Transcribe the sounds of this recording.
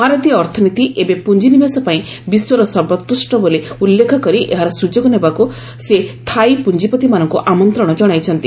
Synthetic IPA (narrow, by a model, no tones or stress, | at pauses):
bʱaɾɔt̪ijɔːɾt̪ʰɔnit̪iʔebepund͡ʒinimasɔpaĩ | biswoɾɔsɔɾbɔt̪ɾusʈɔboleulːekʰɔkɔɾiʔeɦaɾɔsud͡ʒoɡɔnebaku | set̪ʰajpund͡ʒipɔt̪imanɔŋkuʔamɔnt̪ɾɔɽ̃ɔd͡ʒɔɽ̃ajt͡ʃʰɔnt̪i